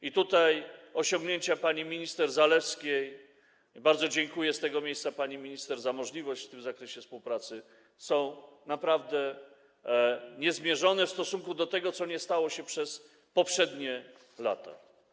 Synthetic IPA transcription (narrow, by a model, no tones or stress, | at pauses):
it̪ut̪ajɔɕɔŋɡɲeɲt͡ɕapaɲimʲiɲist̪ɛɾzalɛfskʲej | baɾd̪zɔd͡ʑɛŋkujɛst̪ɛɡɔmʲejssapaɲimʲiɲist̪ɛɾzamɔʐlʲivɔɕt͡ɕft̪ɘmzakɾɛɕɛfspuwpɾat̪sɘ | sɔ̃w̃napɾavd̪ɛ | ɲɛzmʲjɛʐɔnɛfst̪ɔsuŋkud̪ɔt̪ɛɡɔt̪sɔɲɛst̪awɔɕɛpʂɛs | pɔpʂɛd̪ɲɛ | la̰t̪a̰